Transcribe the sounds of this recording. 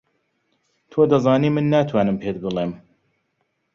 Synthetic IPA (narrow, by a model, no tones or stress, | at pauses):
t̪ʰoːd̪ɐzˤɑːniːmɨnːaːt̪ʰwaːnɨmpʰeːt̪̚bɨlˠeːm